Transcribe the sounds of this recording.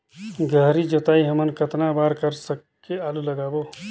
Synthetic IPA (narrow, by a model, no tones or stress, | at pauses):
ɡʱəɦɾid͡ʒot̪aːiɦəmənkət̪nabaːɾkəɾsəkːeaːluləɡaːbo